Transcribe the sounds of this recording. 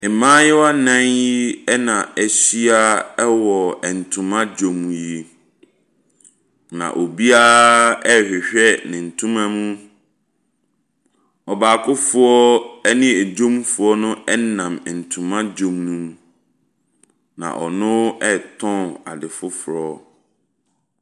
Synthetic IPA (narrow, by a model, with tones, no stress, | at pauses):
ɪ˨mãː˦jɪ˦wa˦nã˦nji˦ɛ˦nã˨ɛ˦ɕi˦a˦ɛ˦wɔ˨ɛ˨n̩˨tʰũ˨mã˦d͡ʑõ˨mːũ˨ji˦ | nã̰˨ʔo˨bi˦a˦ɛ˦˨hᶣɛ˨ɕᶣɛ˦nɪ̃˨n̩˨tʰũ˦mã˦mũ˦ | ɔ˨baː˨kʰʊ˦fʊ˦ɔ˦ɛ˦nɪ̃˦ɛ˨d͡ʑõ˦m˦fʊ˨ɔ˦nʊ̃˦ɛ˦nã˨m˨n̩˨tʰũ˨mã˦d͡ʑõ˨mnũ˨m | nã̰˨ʔɔ˨nʊ̃˦ɛ˦tʰɔ̃˦a̰˨dɪ˨fʊ˦fʊ˨ɾɔ˦˨